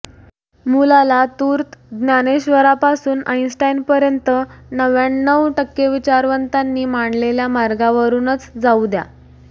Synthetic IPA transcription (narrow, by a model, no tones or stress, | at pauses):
mulalat̪uːɾt̪ɡ̪njaneɕʋəɾapasuːnajnsʈajnpəɾjənt̪ənəʋjaɳːəwʈəkːeʋit͡ɕaɾʋənt̪anːiːmaɳleljamaɾɡaʋəɾuːnət͡sd͡zaud̪ja̰